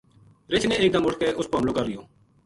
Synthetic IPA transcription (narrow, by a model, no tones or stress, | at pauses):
ɾɪt͡ʃnẽːeːk̚d̪əmʊʈʰkeːʔʊspəɦəmlõːkəɾːɪjoː